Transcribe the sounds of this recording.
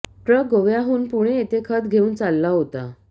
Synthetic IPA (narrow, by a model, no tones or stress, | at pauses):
ʈɾəkːoʋjaɦuːnpuɽ̃eːt̪ekʰət̪ɡʱeuːnt͡salːaɦot̪a